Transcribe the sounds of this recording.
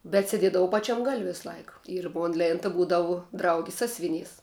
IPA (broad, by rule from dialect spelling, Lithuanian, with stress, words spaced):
bʲɛt sʲɛˈdʲiɛdɐʋɐʊ ˈpɑːˌt͡ʃʲɛm ɡɐlʲ ˈʋʲɪsˈlˠɐɪk ɪr ˈmoːn ˈlʲeːntɐ ˈbuːdɐʋʊ ˈdrɐʊɡʲɪs ˈsɑːsʲʋʲɪˌnʲiːs